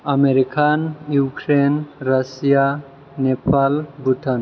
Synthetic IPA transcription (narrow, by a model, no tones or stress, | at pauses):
ameɾikʰanjukɾenɾasija | nepʰalbuʈʰan